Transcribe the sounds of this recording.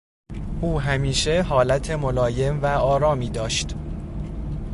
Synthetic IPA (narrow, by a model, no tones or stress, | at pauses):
ʔuːɦæmiːʃe̞ɦɒːlæt̪ʰe̞molɒːje̞mvæɒːɾɒːmiːd̪ɒːʃt̪